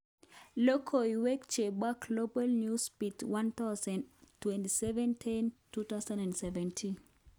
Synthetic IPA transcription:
lokʰoiwekt͡ʃebaklobalnjuspitwãnt̪aʊsãntwɛntisɛvɛ̃ntʰintut̪aʊsãnɛ̃ndsɛvɛ̃ntʰin

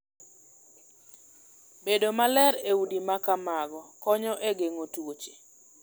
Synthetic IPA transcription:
bedomalɛɾeudimakamaɡɔkɔɲɔʔeɡeŋotwot͡ʃe̥

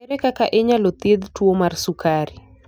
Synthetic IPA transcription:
ɛɾɛkakaʔɪɲalot̪ɪd̪twomarsukaɾi

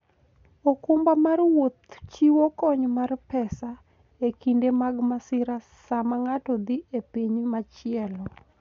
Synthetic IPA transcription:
okʊmbamarwot̪t͡ʃiwokɔɲmarpɛsa | ekindemaɡmasɪɾa | samaŋatɔd̪iepiɲmat͡ʃɪɛlɔ

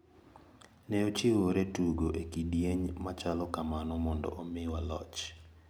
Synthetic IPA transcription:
nɛot͡ʃiwoɾetuɡoʔekidjeɲmat͡ʃalɔkamanɔmɔndɔ̰ʔomɪwalɔ̰t͡ʃ

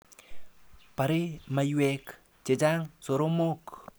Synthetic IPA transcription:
paɾemajuwek | t͡ʃed͡ʒaŋsoɾomok

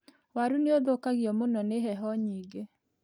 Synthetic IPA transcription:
waɾuneoðokaɣjɔmonɔneɦɛɦɔɲiːɡe

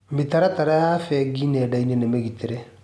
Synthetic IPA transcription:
mitaɾataɾajaːfɛɡinɛdainenemeɣiteɾe

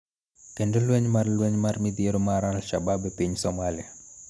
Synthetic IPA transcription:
kendolwɛɲmarlwɛɲmarmɪd̪ieɾomaɾalʃababɛpiɲsɔmalɪa

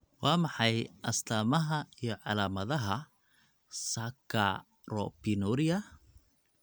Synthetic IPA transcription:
wɑːmɑħɑjʔɐst̪ʰaːmɐɦɐijɞʕɑlaːmɐðɐɦɐ | sakʰa̰ | rɔpinuɾijɐ

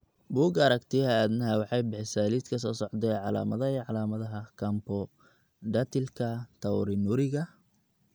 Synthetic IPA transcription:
buːɡɐɾɐkt̪ʰɪɐaːd̪nɐɦɛwɑħɑjbɪħɪsaːlid̪kʰɐs̬ɔːsɔʕd̪ɛjʕɑla̰ːmɐðɐiʕɑlaːmɐðɐɦɐkʰɐmpɔ | ɖɐt̪ʰɪlkʰɐt̪ʰɐwɾɪnʊɾɪɣɐ

